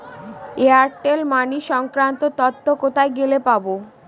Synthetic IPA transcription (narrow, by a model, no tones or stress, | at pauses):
eaɾʈelmaniʃɔŋkɾant̪ot̪ɔt̪ːokot̪ʰaeɡelepabo